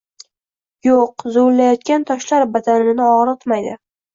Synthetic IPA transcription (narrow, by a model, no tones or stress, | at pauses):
joqzolːajɒt̪̚kʲant̪ʰɒʃlaɾbad̪anɪnɪɒʁɾɨt̪majd̪ɪ